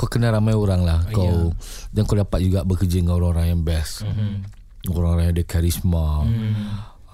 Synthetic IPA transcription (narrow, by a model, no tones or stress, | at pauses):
kawkənaɾamajoɾaŋlahkawd͡ʒankawdapat̪̚d͡ʒuɡabəkəd͡ʒəŋaoɾaŋoɾaŋjaŋbɛs | oɾaŋoɾaŋjadəkaɾisma